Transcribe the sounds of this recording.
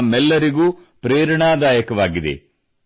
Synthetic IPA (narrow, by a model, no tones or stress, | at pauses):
mɛlːɐɾiɡuː | pɾeːɾɐɳaːd̪aːjɐkɐʋaːɡid̪e̞̰